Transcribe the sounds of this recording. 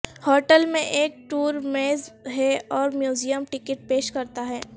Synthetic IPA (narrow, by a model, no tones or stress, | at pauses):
hɔːʈəlmẽʔeːk̚ʈuːɾmeːzɦɛɔːɾmjuːzijəmʈɪkɪʈ̚peːʃkɐɾt̪aɦɛː